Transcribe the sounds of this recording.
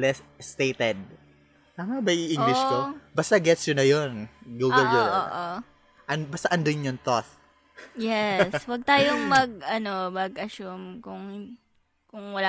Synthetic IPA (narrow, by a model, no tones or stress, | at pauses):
lɛsst̪ejt̪ɛd̪̚ | t̪aːmɐbɐjʔiʔiŋɡlɪʃkobaːst̪ɐɡɛt̪sjʊnɐjonɡoːɡɐlɡoo̰ʔo | ʔɐnbaːst̪aʔɐnd̪oɲjʊŋt̪oθ | jɛswɐɡ̚t̪aːjoŋmɐɡ̚ɐnomɐɡʔɐʃʊmkʊŋ | kʊŋwɐlaː